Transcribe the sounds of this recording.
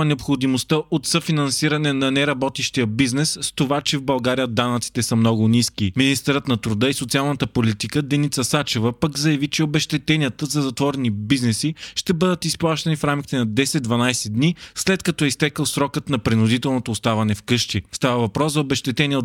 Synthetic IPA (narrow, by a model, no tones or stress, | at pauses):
nɛopxod̪imost̪əʔot̪səfinɐnsiɾɐnɛnɐnɛɾɐbɔt̪iʃt̪ijəbiznɛsst̪ovat͡ʃɛvbɐlˠɡaɾijəd̪anɐt̪si̥t̪ɛsəmnɔɡʊniskiminist̪ɛɾət̪nɐt̪ɾʊd̪əisot̪sialˠnət̪əpolit̪ikəd̪ɛnit̪səsat͡ʃɛvəpəkzɐjɐvit͡ʃɛobɛʃt̪ɛt̪ɛniət̪əzɐzɐt̪vɔɾɛnibiznɛsiʃt̪ɛbɤd̪ət̪isplˠaʃt̪ɐnifɾamkʲi̥t̪ɛnɐd̪ɛsɛd̪̚d̪vɐnajsɛd̪nislɛt̪kɐt̪ɔɛist̪ɛkəlˠsɾɔkət̪nɐpɾinʊd̪it̪ɛlˠnot̪oːst̪avɐnɛfkɤʃt̪ist̪avəvɐpɾɔszɐobɛʃt̪ɛt̪ɛniə